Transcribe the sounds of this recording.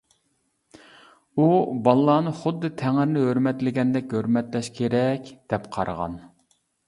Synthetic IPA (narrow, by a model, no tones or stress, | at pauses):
ubɑlˠːɑːnɨχʊd̪ːɨt̪ʰæŋɪɾɪnɪɦøɾmɛt̪lɪɡʲɛnd̪ɛkʲhøɾmɛt̪lɛʃkʲʰeɾɛkʲd̪̥ɛpqʰɑ̰ɾʁɑ̰n